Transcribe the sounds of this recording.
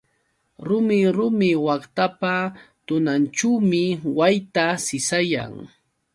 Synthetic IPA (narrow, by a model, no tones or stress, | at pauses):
ɾʊmɪɾʊmɪwɑχt̪apa | t̪ʊnanʈ͡ʂuwmɪwajt̪asɪsaja̰ŋ